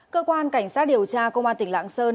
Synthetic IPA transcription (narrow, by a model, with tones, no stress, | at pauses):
kəː˧kwaː˧nka˧˩jŋ̟saː˦˥t̚ɗi˨˩əwt͡ɕaː˧kə˧wŋ͡mʔaː˧nt̪ï˧˩ŋ̟la̰ː˧˥ŋsəː˧n